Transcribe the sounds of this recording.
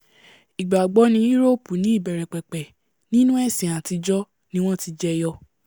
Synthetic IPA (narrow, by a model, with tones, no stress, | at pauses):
i˨ɡ͡ba˨ɡ͡bɔ˨˦nĩ˧˦i˦ɾo˦˨pu˨nĩ˨˦i˦˨bɛ˨ɾɛ˨k͡pɛ˨k͡pɛ˨ | nĩ˦nũ˦ɛ˦˨sĩ˨a˨ti˧d͡ʒɔ˦ | nĩ˦w̃ɔ̃˦ti˧d͡ʒɛ˧jɔ˧